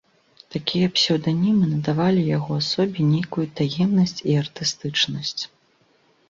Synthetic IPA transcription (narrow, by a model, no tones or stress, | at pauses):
t̪akʲijɐpsʲɛwd̪anʲimɨnɐd̪avalʲijaɣɔasɔbʲinʲejkujut̪ajɛmnɐsʲt͡sʲiɐrt̪ɨst̪ɨt͡ʂnɐsʲt͡sʲ